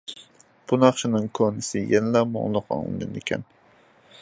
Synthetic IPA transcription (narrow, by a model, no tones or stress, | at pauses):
b̥unɑχʃinɨŋkʰonɪsɪjɛnɪlɑmo̰ŋlˠʊqɑ̰ŋlˠɨ̰d̪ɨnɪkʲʰɛ̰n